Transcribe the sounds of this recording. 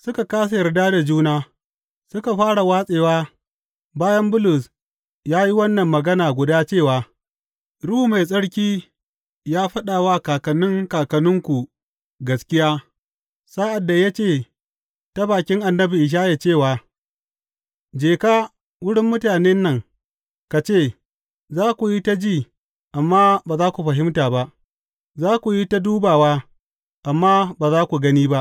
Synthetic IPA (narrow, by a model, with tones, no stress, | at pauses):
sʊ˦ka˨kaː˦s̬a˨jɐ˨rdaː˦da˨d͡ʒuː˦naː˦ | sʊ˦ka˨ɸaː˦ɽa˨waː˦sʼeː˨waː˦ | baː˦jɐ˦mbʊ˦lʊ˨s | jaː˦ji˦wɐ˦nːɐ˨mːɐ˨ɡɐ˦naː˨ɡʷʊ˨daː˦t͡ʃeː˦˨waː˨ | ɽu˦u˨ma˨jsʼɐ˦ɽkʲiː˦ | jaː˦ɸɐ˦ɗaː˨waː˦kaː˨kɐ˨nʊ˦ŋkaː˨kɐ˨nʊ˦ŋkʷu˨ | ɡɐ˨˦skʲɪ˦jaː˦ | sa˦ʔa˨dːa˨ja˦t͡ʃeː˦˨ | ta˦baː˨kʲɪ˦ŋʔa˨nːɐ˦bi˨ʔɪ˨ʃ̬aː˦ja˨t͡ʃeː˦˨waː˨ | d͡ʒeː˨kaː˦ | wʊ˦ɽɪ˦mːʊ˦taː˨ne˦nːɐ˨ŋ | ka˨t͡ʃeː˦˨ | zaː˦kʷu˨ji˦ta˦d͡ʒiː˦˨ | ʔa˨mːaː˦baː˨zaː˦kʷu˨ɸɐ˨ɦɪ˦mtaː˨ba˦ʔ | zaː˦kʷu˨ji˦ta˦duː˦baː˨waː˦ | ʔa˨mːaː˦baː˨zaː˦kʷu˨ɡɐ˦niː˦ba˦ʔ